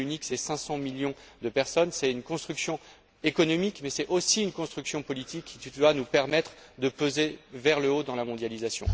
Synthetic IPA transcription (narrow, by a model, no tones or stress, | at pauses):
yniksɛsɛ̃sɑ̃miljɔ̃d̪əpɛʁsɔnsɛynkɔ̃st̪χyksjɔ̃ | ekɔnɔmikmɛsɛosiynkɔ̃st̪χyksjɔ̃pɔlit̪ʰikʰːit̪yd̪wanupɛʁmɛt̪χd̪əpozevɛʁləod̪ɑ̃lamɔ̃d̪jalizasjɔ̰̃